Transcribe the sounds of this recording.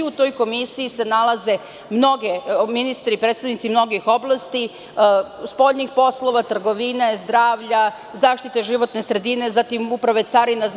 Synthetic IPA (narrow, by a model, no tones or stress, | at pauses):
ut̪o̞jko̞misiːse̞nalˠaze̞ | mno̞ɡeminist̪ɾipɾet̪st̪aʋnit̪simno̞ɡixo̞blˠast̪i | spo̞ʎnixpo̞slˠo̞ʋat̪r̩ɡo̞ʋinazd̪ɾaːʋʎa | zaːʃt̪it̪eʒiʋo̞t̪ne̞sɾe̞d̪ine̞zat̪imupɾaʋe̞t̪saɾinaz